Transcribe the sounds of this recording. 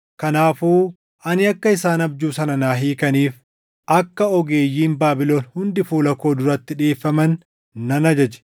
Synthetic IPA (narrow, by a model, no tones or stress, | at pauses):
kɐnaːfuː | ʔɐnɪɐkːɐɪsaːnɐbd͡ʒuːsɐnɐnaːɦiːkɐniːf | ʔɐkːɐɔɡeːjːiːmbaːbɪlo̞ːnhʊnd̪ɪfuːlɐkːo̞ːd̪ʊɾɐt̪ːɪᶑeːfːɐmɐnː | ɐnɐd͡ʒɐd͡ʒɛ̥